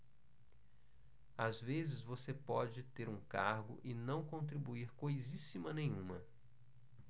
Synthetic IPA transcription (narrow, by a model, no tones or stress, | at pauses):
azvezɪzvosepɔd͡ʒɪt̪eɾũkaɾɡʊ̰ʔɪnɐ̃w̃kõnt̪ɾibuiɾkojzisimɐnẽj̃ũmɐ